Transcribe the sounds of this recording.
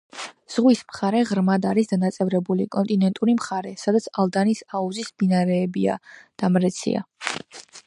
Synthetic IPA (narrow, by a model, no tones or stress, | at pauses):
z̥ʁwismχaɾɛʁɾmad̪aɾisd̪anat̪sʼɛvɾɛbulḭkʼɔnt̪ʼinɛnt̪ʼuɾimχaɾɛsad̪at̪sʰalˠd̪anisauzisbinaɾɛːbia̰d̪̥amɾɛt̪sʰḭa̰